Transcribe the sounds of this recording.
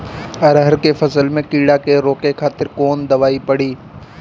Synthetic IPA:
ɐɾɦəɾkefɐsəlmẽkiːɽakeɾoːkekʰaːt̪ɪɾkoːnd̪ɐʋaːipɐɽiː

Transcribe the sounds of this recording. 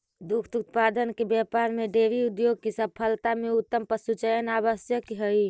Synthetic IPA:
d̪ukʰt̪ut̪̚pad̪ənkebjapaɾmeɖeʋiud̪joɡ̚kesəpʰəlt̪ameut̪ːəmpəsut͡ʃəjənaβəsjəkɦəi

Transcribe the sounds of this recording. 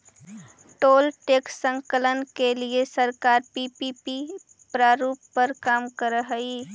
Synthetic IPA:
ʈoːlʈeːksə̃ŋkələnkeliesəɾkaːɾpipipi | pɾaːɾuːppəɾkaːmkəɾəɦəi

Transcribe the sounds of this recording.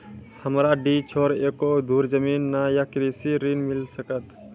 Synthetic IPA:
həmɾaɖit͡ʃʰoːɾeːkod̪uːɾzəmiːnːajakɾisiɾiːnmɪlsəkət̪

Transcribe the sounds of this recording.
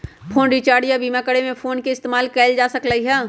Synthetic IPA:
pʰoːnɖiːt͡ʃaːɽijabiːmakəɽemẽpʰoːnkeɪst̪eːmaːlkɛːɪld͡ʒaːsɐklaiɦɛː

